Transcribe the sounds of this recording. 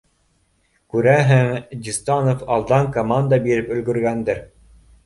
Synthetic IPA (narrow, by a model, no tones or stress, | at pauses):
kʉɾæɦɘŋd̪ʲist̪ɑnofɑlˠd̪ɑŋkomand̪ɑbiɾɘpɵ̆lɡɵ̆ɾɡænd̪ɘɾ